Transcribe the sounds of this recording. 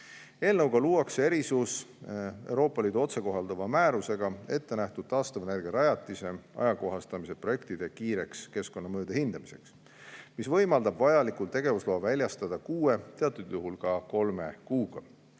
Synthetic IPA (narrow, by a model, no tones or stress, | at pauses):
e̞ːlnɤwɡ̥ɑluːɑkse̞ɾisus | e̞̰wɾo̞ːpːˑɑliːd̪uo̞t̪se̞ko̞ɦɑld̪̥ɑvɑmæːɾuse̞ɡ̥ɑe̞t̪ːe̞næht̪ud̪̥̚t̪ɑːst̪ɑvɑnerɡeɾɑjɑt̪ːˑise̞ɑ̰jɑko̞ɦɑst̪ɑmise̞pro̞je̞kt̪id̪̥e̞kiːɾe̞kske̞sko̞nːɑmøːd̪̥ehind̪̥ɑmise̞̰ks | misvɤjmɑld̪ɑbvɑjɑlikult̪e̞ɡ̥e̞vuslo̞ːvælʲjɑst̪ɑd̪̥ɑkuːe̞t̪e̞ɑt̪ːˑud̪̥juɦulkɑko̞lme̞̰kuːɡ̥ɑ